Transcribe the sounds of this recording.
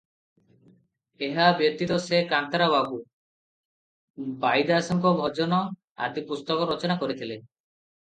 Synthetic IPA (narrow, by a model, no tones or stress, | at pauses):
eɦabjɔt̪it̪ɔsekant̪aɾaβabu | bajd̪asɔŋkɔbʱɔd͡ʒɔnɔ | a̰d̪ipust̪ɔkɔɾɔt͡ʃɔnakɔɾit̪ʰile